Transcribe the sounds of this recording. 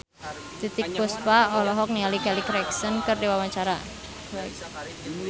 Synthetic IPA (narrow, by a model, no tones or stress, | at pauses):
t̪it̪ɪk̚puspaɔlɔɦɔk̚nialikɛlikɾɛksənkərdiwawaɲt͡ʃaɾa